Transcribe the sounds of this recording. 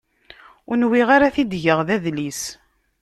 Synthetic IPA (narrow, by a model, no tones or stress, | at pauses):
ʊnwiʁaɾaθid̪ʝəʁðæðlis